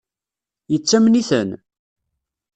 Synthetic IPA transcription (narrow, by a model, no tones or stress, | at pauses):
jət͡sːæmniθən